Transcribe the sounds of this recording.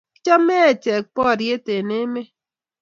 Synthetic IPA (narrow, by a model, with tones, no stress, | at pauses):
t͡ʃɔ˦me˦˨t͡ʃe˨k͡pɔ˦˨ɾje˦te˨ne˦me˦